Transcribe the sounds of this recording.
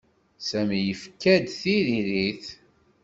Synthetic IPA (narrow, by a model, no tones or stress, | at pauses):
sæmjəfkːæd̪θiɾiɾiθ